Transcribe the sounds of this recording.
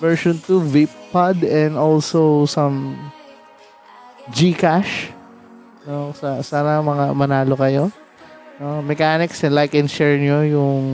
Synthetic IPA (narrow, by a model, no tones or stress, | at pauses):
vɛɹʃɔ̃nt̪uvippːɐd̪ɛ̃nd̪olsowsɐ̃m | d͡ʒikaʃ | nosɐsaːnɐmɐŋamɐnaːlokɐjo̞ | nomɛkaːnɪksɛnlajkɛnʃɛɹnɲojʊŋ